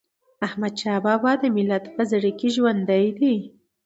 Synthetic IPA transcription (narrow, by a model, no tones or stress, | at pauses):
ahmad̪ʃaːbabad̪əmɪlat̪pazaɾikiʒwand̪ajd̪i